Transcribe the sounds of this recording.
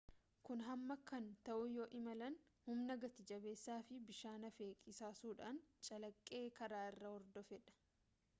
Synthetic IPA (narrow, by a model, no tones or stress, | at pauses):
kʊnɦɐmːɐkɐnt̪ɐʔʊjoːʔɪmɐlɐnhʊmnɐɡɐt̪ɪd͡ʒɐbe̞ːsːaːfɪbɪʃaːnɐfe̞ːkʼɪsaːsuːᶑaːnt͡ʃʼɐlɐkʼːe̞ːkɐɾaːɪrːɐhɔɾd̪ɔfɛᶑɐ̥